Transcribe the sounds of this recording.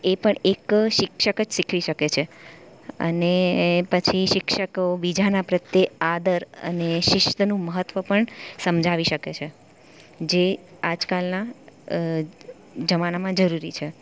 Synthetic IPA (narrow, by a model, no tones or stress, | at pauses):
epəɳekʃɪkʃəkət͡ʃsikʰʋiʃəket͡ʃʰe | ə̰nepət͡ʃʰiʃɪkʃəkobid͡ʒanapɾət̪jead̪əɾə̰neʃɪʃt̪ənũməɦət̪ːʋəpəɳsəmd͡ʒʱaʋiʃəket͡ʃʰe | d͡ʒe | ad͡ʒkalna | d͡ʒəmanamãd͡ʒəɾuɾit͡ʃʰe